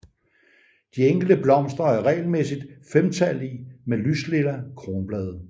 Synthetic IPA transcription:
d̥ieŋ̰ɡ̥l̩d̥əb̥lɒ̽m̰sd̥ʁɐæɐʁɛ̰ɪlmesid̥femt͡sʰælimelysle̝lɐkʰʁo̝ːnb̥lɛːð̞ˠ

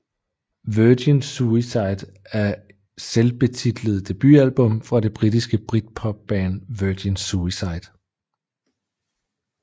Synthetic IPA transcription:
ʋøːd̥insuisɑ̈ɪd̥ | æɐ | selb̥e̝t͡sʰid̥ləð̩ˠd̥e̝b̥y̰ælb̥ɔ̽mfʁɑ̈de̝b̥ʁidisɡ̥əb̥ʁid̥̚pʰɒ̽b̥̚ːɛːnʋœd̥insuisɑ̈ɪd̥

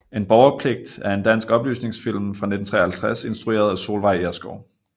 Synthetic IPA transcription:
e̝nb̥ɒʊɐpʰle̝ɡ̥̚d̥æɐe̝nd̥æn̰sɡ̥ɒ̽b̥ly̰ːsne̝ŋsfil̰m̩fʁɑ̈ne̝d̥n̩t͡sʰʁɛ̰ːɐhælt͡sʰʁase̝nsd̥ʁue̝̰ːɐð̞̩ˠæso̝ːlʋɑ̈ɪ̰eɐsɡ̥ɒʊ

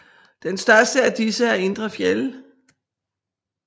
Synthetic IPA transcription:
d̥ensd̥ɶɐsd̥əæɐd̥isəæɐe̝nd̥ʁɐfjel

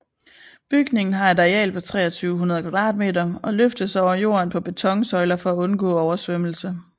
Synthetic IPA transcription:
b̥yɡ̥ne̝ŋn̩ɦɑ̈e̝d̥ɑjɛ̰ːlpʰɒ̽t͡sʰʁɛ̰ːɒt͡sʰyːʊɦunɐð̩ˠkʰʋɑ̈d̥ʁɑ̰̈ːd̥̚me̝̰ːdɐɒ̽løfd̥əðˠsɒʊɐjo̝̰ːɐnpʰɒ̽b̥e̝t͡sʰɒ̽ŋsɒ̽ɪlɐfɒ̽æɔ̽nɡ̥ɔ̰̽ːɒʊɐsʋøml̩sə

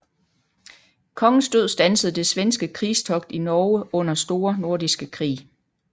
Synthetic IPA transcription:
kʰɒ̽ŋn̩sd̥øð̰ˠsd̥ænsəð̞̩ˠd̥e̝sʋensɡ̥əkʰʁiːst͡sʰɒ̽ɡ̥̚d̥inɒːəʔɔ̽n̰ɐsd̥o̝ːɐno̝ɐd̥isɡ̥əkʰʁḭː

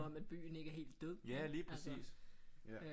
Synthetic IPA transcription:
ɒ̽mæd̥̚b̥y̰ːn̩e̝ɡ̥əæɐɦe̝̰ːld̥ːøðˠæliːpʰɛsḭːs

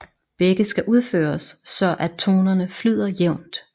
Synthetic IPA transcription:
b̥eɡ̥əsɡ̥æʔuð̞ˠfø̰ːɐsːɒ̽ʔæ̥t͡sʰo̝ːnɐnəflyð̞̰ˠɐjeʊ̰nd̥

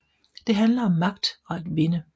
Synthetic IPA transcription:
d̥e̝ɦænlɐɒ̽mːɑ̈ɡ̥̚d̥ɒ̽æd̥ʋe̝nə

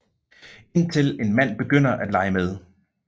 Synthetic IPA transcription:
e̝n̰t͡sʰe̝le̝nmæn̰b̥e̝ɡ̥øn̰ɐʔæd̥lɑ̈ɪəmeð̞ˠ

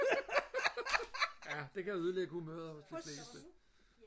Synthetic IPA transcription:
jæd̥e̝kʰæjæuð̞ˠleɡ̥əhumøːð̞ˠɐhɔ̽sd̥efle̝ːsd̥ə

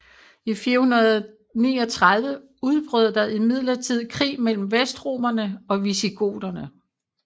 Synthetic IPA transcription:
ifiːɐhunɐð̞ˠ | nḭːɒ̽t͡sʰʁað̞ˠʋə | uð̞ˠb̥ʁœð̰ˠd̥ɑ̈ʔimið̰ˠlɐt͡sʰið̰ˠkʰʁḭːmel̰m̩ʋesd̥ʁo̝ːmɐnəɒ̽ʋisiɡ̥ʰo̝̰ːd̥ɐnə

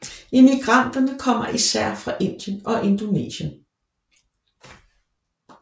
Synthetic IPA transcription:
e̝miɡ̥ʁɑn̰d̥ɐnəkʰɒ̽m̰ɐʔisæɐ̰fʁɑ̈ʔe̝n̰d̥jənɒ̽ʔe̝nd̥onḛːɕən

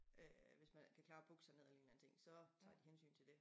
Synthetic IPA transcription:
ʔøʋe̝smænkʰækʰlɑ̈ːb̥ɔɡ̥əsäneelɐe̝nlænət͡sʰe̝ŋ̰sɒ̽t͡sʰɑ̈ːd̥ihensy̰ːnt͡sʰe̝ld̥e̝

